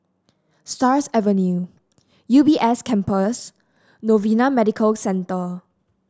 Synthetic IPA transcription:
stasɛvənju | jubiʔɛskʰɛ̃mpəs | novinamɛdikʰəlsɛ̃ntə

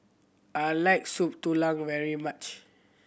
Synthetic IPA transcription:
ajlaɪk̚sup̚tulãŋvɛɹimat͡ʃ

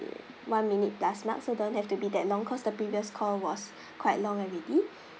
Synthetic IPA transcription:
wãnminit̚plasmã̰tsodõnt̚hɛftubidɛt̚lɔ̃ŋkʰɔsdəpɹiviəskʰɔlwɔs | kʰwaɪtlɔ̃ŋaɹɛdi

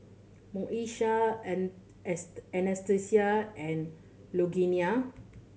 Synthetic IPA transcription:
mɔ̃ʔiʃa | ɛnɛstesiaɛ̃n | loɡinia

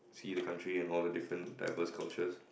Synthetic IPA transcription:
sidəkʰãntɹiɛ̃nɔldədɪfɹə̃nda̰ɪvəskʰa̰lt͡ʃəs

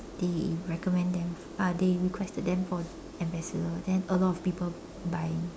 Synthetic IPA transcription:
d̥eɹɛkɔmɛ̃ndɛ̃m | adeɹikʰwɛstəd̚dɛ̃mfɔ | ɛ̃mbɛsədədɛ̃nəlɔtɔfpipəl | bajɪ̃ŋ

